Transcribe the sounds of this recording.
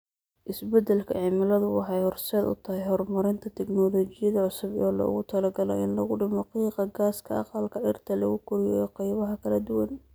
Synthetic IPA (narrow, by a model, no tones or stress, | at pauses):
ʔɪsbɛd̪ɛlkʰɐʕɪmɪlɐðʊwɑ̰ħɑjhɔrsɛːd̪ʊ̰t̪ʰɐhɛjɦɔrmɐɾɪnt̪ʰɐt̪ʰɛknɔːlɔːt͡ʃɪjɐðɐʕʊsʊbɔ̰ːlɐ̰ʊ̰ɣʊt̪ʰɐlɐɡɐlɔ̰ʔɪnlɐɣʊɖɪmɔqiːqɑɡaːskʰɐɑ̰qɑlkʰɐʔɪrt̪ʰɐlɐ̰ɣʊkʰʊɾɪjɔːqɑjβɐɦɐkʰɐlɐd̪ʊwɐn